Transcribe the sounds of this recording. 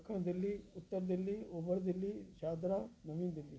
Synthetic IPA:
kʰɐɳɐd̪ɐlːiut̪ːɐɾɐd̪ɐlːiɔbɐɾɐd̪ɐlːiʃaːd̪ɾanɐʋiːnɐd̪ɐlːi

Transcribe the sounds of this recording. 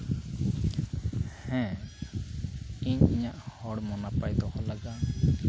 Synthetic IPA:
hɛ̃ | iɲiɲaʔhɔɽmɔnapajd̪ɔhɔlaɡa

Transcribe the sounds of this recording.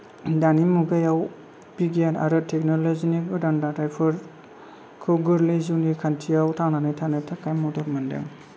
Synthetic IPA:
danimuɡajaw | biɡijana̰ɾɯtʰek̚nolozinikbɯdandadɾajpʰɐɾ | kʰɯɡɯɾlizunikʰantʰijawtʰawnanajtʰanajtʰakʰajmɔdɔɾmandɯ̰ŋ

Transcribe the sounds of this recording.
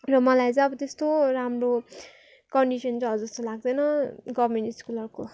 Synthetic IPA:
rʌmʌlajt͡sʌ̃ʌbʌt̪est̪oramro | kʌɳɖisʌnt͡sʌɦʌd͡zʌst̪olaɡ̚d̪ʌjnʌɡʌmenʈiskulʌrko

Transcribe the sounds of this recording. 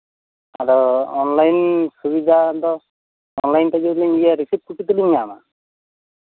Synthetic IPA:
a̰ɾɔɔnlajnsubid̪ʱad̪ɔ | ɔnlajntaɡibuliŋijaɾisip̚kuʈit̪uliɲːama̰

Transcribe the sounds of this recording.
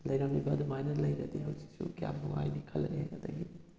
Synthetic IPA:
lɐjɾawnibɐɐd̪umajnɐlɐjɾɐd̪iɦɐwsi̥sṵkija̰mnuŋa̰jnikʰɐlɐɾeɡɐd̪ɐɡi

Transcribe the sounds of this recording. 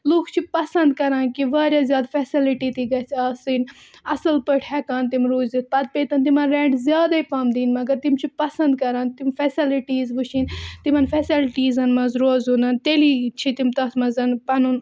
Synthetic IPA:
luːkʰt͡ʃʰipɐsɐnd̪kɐɾaːnkiʋaːɾʲjazʲjaːd̪fɛsiliʈit̪iɡɐt͡sʰaːsiːn | ɐsɐlpəʈʰɛːkaːnt̪imɾuːzd̪it̪̚ʰpɐd̪̚peːt̪ɐnt̪̬imɐnɾẽːɳʈzʲjaːd̪ɐipɐmd̪iːnmɐɡɐɾt̪imt͡ʃʰipɐsɐ̃nd̪kɐɾaːnt̪imfɛsiliʈiːzʋuʃint̪imɐnfɛsilʈiːzɐnmɐzɾoːzunɐnt̪eːliːt͡ʃʰit̪imt̪ɐt̪mɐzɐnpɐnun

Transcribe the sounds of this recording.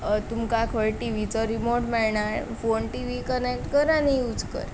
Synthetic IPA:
t̪umkakʰəɭʈiʋit͡sɔɾimoɾʈmɛɭɳaɾfonʈiʋikənek̚ʈkəɾanijud͡zkə̰ɾ

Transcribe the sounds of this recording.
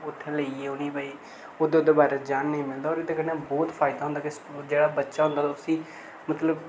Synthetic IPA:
ʊt̪ʰːeləieːʊnĩːpaːiː | od̪eːd̪eːbaːɾeːd͡ʒaːnːəĩːmɪld̪aːɔːɾɪd̪eːkənẽːbɔːt̪pʰaːɪd̪aːɦʊ̃nd̪akesd͡ʒeːɽaːbətːʃaːɦʊ̃nd̪aːt̪aːʊsĩː | mət̪ləb

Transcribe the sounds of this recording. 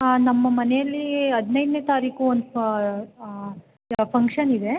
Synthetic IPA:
anɐmːɐmɐnejɐlːiɐd̪nɐjd̪neːt̪aːɾiːkuond̪ | pʰɐŋkʂɐnid̪e̞

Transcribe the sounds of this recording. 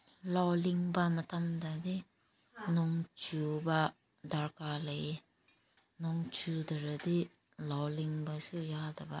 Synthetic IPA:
lɔliŋbamɐt̪amd̪ad̪i | noŋt͡ʃuba | d̪aɾkaːlɐ | noŋt͡ʃud̪ɐɾɐd̪i | lɔliŋbasujaːd̪ɐba

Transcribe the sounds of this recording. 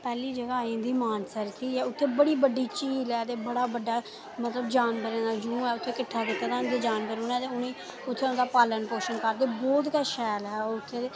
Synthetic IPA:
pɛːliːd͡ʒəɡaːĩːd̪iːmaːnsəɾt̪ʰiːɛːʊt̪ʰːeːbəɽiːbəɖiːt͡ʃiːlɛːt̪eːbəɽaːbəɖːaː | mət̪ləbd͡ʒaːnbəɾẽːd̪aːd͡ʒũːɛːʊt̪ʰːeːkɪʈʰːaːkɪt̪ːaːd̪aːd̪eːd͡ʒaːnbəɾoːnɛːt̪eːʊnĩː | ʊt̪ʰːeːʊnːd̪aːpaːlənpoːʃənkəɾd̪eːbɔːt̪kaːʃɛːlɦɛːoʊt̪ʰːeː

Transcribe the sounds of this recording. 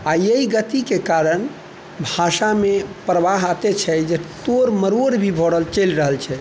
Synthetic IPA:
ajəiɡət̪ikekaɾən | bʱaʃamepɾəʋaɦat̪et͡ʃʰɛd͡ʒet̪oɾməɾoɾbʱibʱɔɽəlt͡ʃəlɾəɦəlt͡ʃʰɛ

